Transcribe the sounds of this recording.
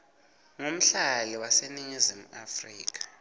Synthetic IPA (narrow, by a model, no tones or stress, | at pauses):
ŋom̩ɬaliwaseniɲizimua̰friːk̬ʼḁ